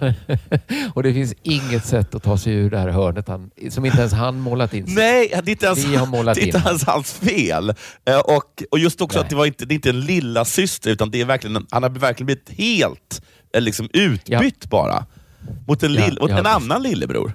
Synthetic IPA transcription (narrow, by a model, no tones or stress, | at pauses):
ɔd̪ɛfɪnsɪŋːət̪sɛt̪ːɔt̪ʰɑːsɛjʉ̟ːɖɛhæːɾhœːɳət̪hansɔmɪnt̪əɛnshanmoːlat̪ɪnnɛjd̪ɛɪnt̪əɛnhamoːlad̪ɛɪt̪əɛnsha̰lsfeːlʔɔkɔjɵst̪ɔksɔat̪̚d̪ɛvaɾɪnt̪əd̪ɛɪnt̪əɛnlɪlːasʏst̪əɾʉ̟ːt̪and̪ɛæɾvæɾklɪɡənɛnhanhaɾvæɾkʰlɪənb̪lɪɪt̪heːlt̪ | lɪksɔmʉ̟ːt̪bʏt̪ːbɑ̰ːɾa̰ | mʊt̪ɛnlɪlmʊɛnanːanlɪlːə̰bɾṵːɾ